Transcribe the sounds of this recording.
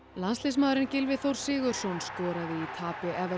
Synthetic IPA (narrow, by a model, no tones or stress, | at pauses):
lanst̪ɪs̬maːwɾɪncɪlvɪθowɾ̥sɪːɣʏɾ̥sɔnskɔːɾaðɪit̪ʰaːpɪʔɛvɛ